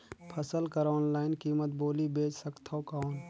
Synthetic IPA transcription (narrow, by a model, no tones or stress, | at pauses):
pʰɐsəlkəɾɔːnlaːɪnkiːmət̪boːlibeːt͡ʃsəkt̪ʰokaːn